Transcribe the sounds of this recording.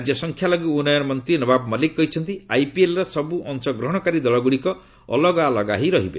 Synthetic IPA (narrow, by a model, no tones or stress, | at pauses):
d͡ʒjɔsɔŋkʰjalɔɡiunɔjɔnɔmɔnt̪ɾinɔbabmɔlikːɔɦit͡ʃʰɔnt̪iajpielɾɔsɔbuʔɔŋsɔɡɾɔɦɔɽ̃ɔkaɾid̪ɔɭɔɡuɽikɔ | ɔ̰lɔɡalɔɡa̰ɦiɾɔɦibḛ